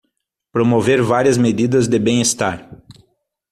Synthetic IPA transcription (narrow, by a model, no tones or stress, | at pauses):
pɾomoveɾvaɾiɐzmed̪id̪ɐzd̪ɪbẽj̃est̪aɾ